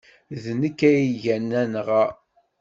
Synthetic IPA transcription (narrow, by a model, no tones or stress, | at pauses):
ðnəkːæjiʝænːænʁa